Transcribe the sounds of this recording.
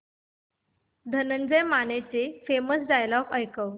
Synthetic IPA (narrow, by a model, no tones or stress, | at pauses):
d̪ʱənənd͡zəjmanet͡sefeməsd͡zajlɔkəjkəw